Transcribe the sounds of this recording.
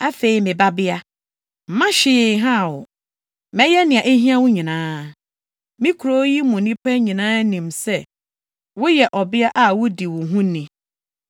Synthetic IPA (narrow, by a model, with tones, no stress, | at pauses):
a˦fe˨i˨mɪ̃˨ba˦bɪ˦a˦ | m̩˨˦mã˦ɕɪ˨ɦã˦˨wʊ˨ | mɛ̃˦jɛ˦nɪ̃˨ã˨ʔe˦ɦĩ˦a˦wʊ˦ɲĩ˨nãː˦ | mĩ˦kʰu˨ɾo˦ji˦mʊ̃˨nĩ˦pʰɛ˦ɲĩ˨nãː˦nĩ˨msɛ˦ | wʊ˦jɛ˨ʔɔ˨bɪ˦a˦ʔa˨wʊ˦di˨wʊ̃˨ɦũ˦nĩ˨